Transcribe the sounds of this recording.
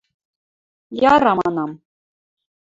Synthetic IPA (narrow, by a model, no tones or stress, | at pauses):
jɑɾɑmɑnɑm